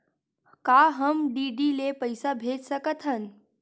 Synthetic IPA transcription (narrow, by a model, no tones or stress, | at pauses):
kaɦəmɖiɖilepəjsabʱetsəkət̪ʰən